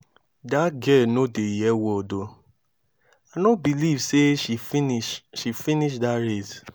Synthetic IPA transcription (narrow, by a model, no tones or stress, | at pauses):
datɡɛlnodejɛwɔdo | anobilivseʃiiʃifĩniʃdaɾez